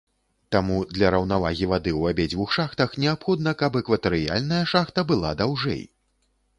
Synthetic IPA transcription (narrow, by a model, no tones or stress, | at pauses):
t̪amud̪lʲɐɾɐwnavaɣʲivad̪ɨwabʲɛd͡zʲvuxʂaxt̪ɐxnʲɛapxɔd̪nɐkɐpɛkvɐt̪ɛɾɨja̰lʲnɐjɐʂaxt̪ɐbɨlˠa̰d̪awʐɛ̰j